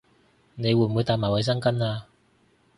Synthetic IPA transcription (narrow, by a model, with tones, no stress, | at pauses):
ne˨˧jwuː˨˩muː˨˧jt̪aː˨˧j̚maː˨˩jwɐ˨˧jsɐ˥ŋkɐ˥naː˧